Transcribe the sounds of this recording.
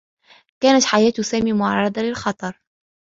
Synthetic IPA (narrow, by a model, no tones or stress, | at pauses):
kaːnat̪ħajaːt̪ʊsaːmiːmʊʕɑrˤːɑd̪alɪlxɑt̪ˤɑɾˤ